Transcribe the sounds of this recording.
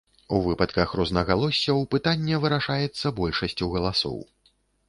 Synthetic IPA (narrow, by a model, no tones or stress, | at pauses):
uvɨpɐt̪kɐxrɔznɐɣalˠɔsʲːɐwpɨt̪anʲːɛvɨɾaʂajɛt̪sːɐbɔlʲʂɐsʲt͡sʲuɣɐlˠasɔ̰w